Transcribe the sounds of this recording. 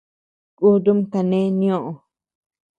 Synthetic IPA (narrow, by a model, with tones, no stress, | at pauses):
ku˦d̪u˦m˦t̪a˧nẽ˦nĩ˦õ˦ʔo˨